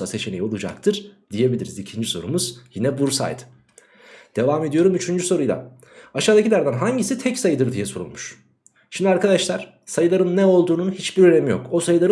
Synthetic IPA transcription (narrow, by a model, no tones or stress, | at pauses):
ase̞t͡ʃʰe̞nejo̞lˠud͡ʒa̰k̚t̪ʰɯɾ̥d̪̥ije̞bʲilʲiɾizicʰind͡ʒiso̞̰ɾumuz̥jinɛbuɾsa̰jd̪ɯ̥ | d̪̥e̞vaːme̞d̪ijo̞ɾumyt͡ʃʰynd͡ʒyso̞ɾujlˠa̰ | aʃaːd̪acʰilʲæɾd̪ænɦaɲɟisit̪ʰɛcsajɯd̪ɯɾd̪ijɛso̞ɾṵnmuʃ | ʃimd̪iaɾkad̪aʃlˠaɾ̥ | sajɯlˠaɾɯnːɛo̞lˠd̪uːnunhit͡ʃbiɾø̞ne̞mijo̞̰ko̞sajɯlˠaɾɯ